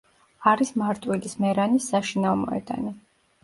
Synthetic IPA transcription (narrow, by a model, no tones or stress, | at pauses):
aɾismaɾt̪ʼwilismɛɾanisːaʃinavmɔ̰ɛ̰d̪̥a̰ni